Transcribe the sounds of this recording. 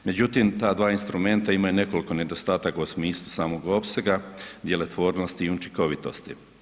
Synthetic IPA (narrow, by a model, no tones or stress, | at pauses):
me̞d͡ʑut̪imt̪aːd̪ʋaːinst̪ɾume̞nt̪aimajune̞ko̞liko̞ne̞d̪o̞st̪aːt̪akosmiːslˠusaːmo̞ɡo̞pse̞ɡad̪je̞le̞t̪ʋo̞ːɾno̞st̪iːut͡ʃiko̞ʋit̪o̞̰st̪i